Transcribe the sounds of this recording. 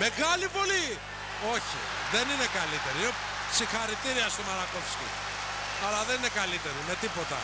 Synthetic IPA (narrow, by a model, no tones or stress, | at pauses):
me̞ɣɐlipoli | o̞çḭ | ðe̞nine̞kalit̪e̞ɾiine | sixɐɾit̪iɾiɐst̪omɐɾɐkofscʲḭ | ɐlɐðenine̞kɐlit̪e̞ɾime̞t̪ipo̞t̪ɐ̰